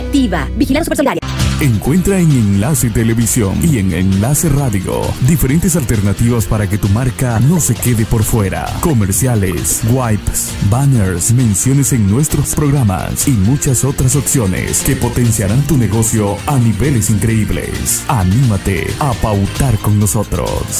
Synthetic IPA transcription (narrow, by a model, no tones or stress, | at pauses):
t̪iβabixilasupeɾsaɾjaeŋkwe̞nt̪ɾaeŋeŋlase̞t̪ele̞βisjo̞̰nieŋḛŋlase̞raðjo̰d̪ifeɾe̞nt̪es̬alt̪e̞ɾnat̪iβaspaɾake̞t̪umaɾkano̞se̞ke̞ðe̞po̞ɾfwe̞ɾa̰ko̞me̞ɾsjalḛsɡwajps | baneɾsmẽ̞nsjo̞nese̞ŋnwe̞st̪ɾospɾo̞ɣɾama̰simut͡ʃaso̞t̪ɾas̬opsjonḛske̞po̞t̪e̞nsjaɾant̪une̞ɣo̞sjo̞aniβe̞le̞siŋkɾe̞iβlḛsanimat̪ḛapawt̪aɾko̞ŋno̞so̞t̪ɾo̞̰s